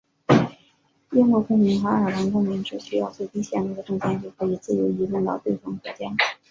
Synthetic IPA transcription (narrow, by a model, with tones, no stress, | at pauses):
jɛ˥nkwɔ˥˩kʊ˥ŋmi˧˥nxə˧˥ə˞˨˩la˧˥nkʊ˥ŋmi˧˥ŋʈ͡ʂɻ̩˥˩ɕy˥jɑ˥˧ʊt͡swe˥˩ɪt̪i˥ɕjɛ˥˩ni˧˥ɡə˧ʈ͡ʂɤ˥˩ŋt͡ɕjɛ˥˩nt͡ɕy˥˩kʰɤ˧˥i˨˩t͡sɹ̩˥˩jo˧˥ʊi˧˥lʊ˥˧ŋt̪ɑ˥˩ʊt̪we˥˩ɪfɑ˥ŋkɔ˧˥t͡ɕjɑ˥ŋ